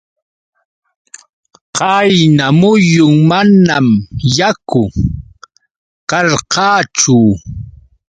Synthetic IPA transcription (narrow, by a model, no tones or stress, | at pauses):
qɑjnamʊjʊŋmanamjakʊ | kɑɾqɑːt͡ʃʊ